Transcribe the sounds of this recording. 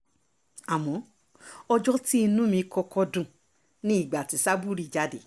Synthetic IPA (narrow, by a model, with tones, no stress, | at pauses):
a˨mɔ̃˨˦ | ɔ˧d͡ʒɔ˦ti˦i˧nũ˦mĩ˧kɔ˧kɔ˧dũ˨ | nĩ˦i˦˨ɡ͡ba˨ti˨˦sa˦bu˦˨ɾi˦˨d͡ʒa˨˦de˨